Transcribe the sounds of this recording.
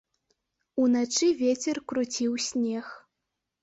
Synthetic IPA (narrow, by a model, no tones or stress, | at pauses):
unat͡ʂɨvʲet͡sʲɛrkɾut͡sʲiwsʲnʲɛx